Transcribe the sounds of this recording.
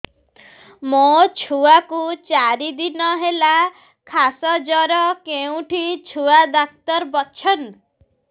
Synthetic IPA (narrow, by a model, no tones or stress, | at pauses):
mot͡ʃʰuakut͡ʃaɾid̪inɔɦela | kʰasɔd͡ʒɔɾɔkeũʈʰit͡ʃʰuad̪ak̚t̪ɔɾbɔt͡ʃʰɔn